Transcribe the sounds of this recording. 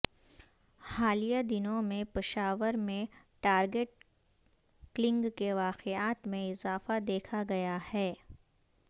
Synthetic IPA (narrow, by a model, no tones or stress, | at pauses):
xaːlijad̪ɪnõmẽpɪʃaːʋəɾmẽ | ʈaːɾɡeʈ̚ | klɪ̃ŋɡkeʋaːqeaːt̪mẽɪzaːfad̪eːkʰaɡɐjahɛː